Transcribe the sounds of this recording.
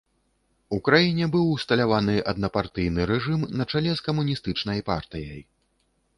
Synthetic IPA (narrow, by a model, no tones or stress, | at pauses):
ukɾajinʲɛbɨwst̪ɐlʲavanɨʔɐd̪nɐpart̪ɨjnɨɾɛʐɨmnɐt͡ʂalʲɛskɐmunʲist̪ɨt͡ʂnɐjpa̰rt̪ɨjɐj